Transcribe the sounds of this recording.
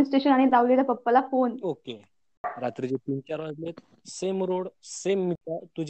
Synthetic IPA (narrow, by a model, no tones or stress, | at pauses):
sʈeɕənaɽ̃id͡zaʋlet̪apəpːəlafonoke | ɾat̪ɾid͡ʑet̪int͡ɕaɾʋad͡zlet̪ | semɾoɽsemːit̪at̪ud͡ʑ